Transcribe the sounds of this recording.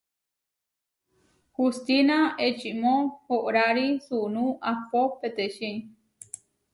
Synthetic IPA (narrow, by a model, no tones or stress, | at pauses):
hust̪inaet͡ʃimõhoʔɾaɾisunũʔapopet̪eʃi